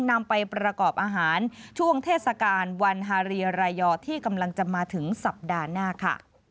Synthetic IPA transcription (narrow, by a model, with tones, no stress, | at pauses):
na˧mpa˧jpɾa˧kɔː˨˩p̚ʔaː˧ɦaː˩˦nt͡ɕʰu˥˩əŋt̪ʰeː˥˩t̪̚sa˧kaː˧nwa˧nɦaː˧ɾiː˧ɾaː˧jɔː˧t̪ʰiː˥˩ka˧mla˧ŋt͡ɕa˨maː˧t̪ʰɯ˩˦ŋsa˨˩p̚daː˧naː˥˩kʰa̰˥˩